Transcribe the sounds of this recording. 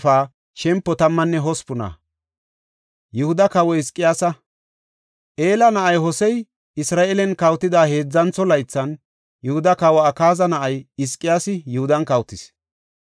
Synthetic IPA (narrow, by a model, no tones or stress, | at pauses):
faː | ʃɛmpːɔt̪ɐmːɐnːɛɦɔspʊna̰ | jɛhʊd̪ɐkɐwɔɪskʼːɪjaːsɐ | ʔe̞ːlɐnɐʔɐjɦɔsɛj | ɪsɾaːʔelɛnkɐwt̪ːɪd̪aːhe̞ːd͡zːɐnt͡sːɔlɐjt͡sːɐn | jʊhʊd̪ɐkɐwɐːkaːzɐnɐʔɐjɪskʼːɪjaːsɪjʊhʊd̪ɐnkɐwt̪ːɪs